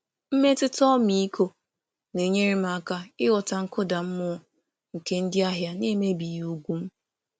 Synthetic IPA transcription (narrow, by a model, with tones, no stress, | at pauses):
m̩˦me˦tɪ˦tɔ˦mi˦i˦ko˦ | ne˨ɲe˦ɾi˦m̩˦a˦˨ka˦ɪ˦wɔ˨ta˨ŋ̩˦kʊ˦da˨m̩˦mʊ˦˨ | ŋ̩˨ke˦n̩˦dɪ˦a˦ɦja˦ne˦me˦bi˨ju˦ɡʷu˦m̩˦